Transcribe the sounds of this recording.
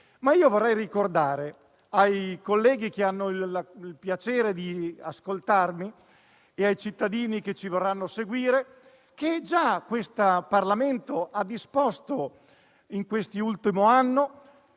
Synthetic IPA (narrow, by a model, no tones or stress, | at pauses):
maiːovorːɛjrikord̪aːɾe | ajkolːɛːɡikeanːoilpjat͡ʃeːɾed̪iaskolt̪armi | eajt͡ʃit̪ːad̪iːniket͡ʃːivorːanːoseɡwiːɾe | k̟ed͡ʒakwest̪aparlament̪oʔad̪ːispɔst̪o | iŋkwest̪iult̪imoanːo